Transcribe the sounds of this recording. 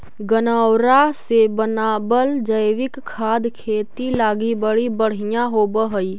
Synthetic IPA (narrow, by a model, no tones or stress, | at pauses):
ɡənaːwɾasebənaːbəld͡ʒəjʋɪkkʰːaːd̪kʰeːt̪ilaːɡibəɽibəɽ̤ijãɦoːbəɦəi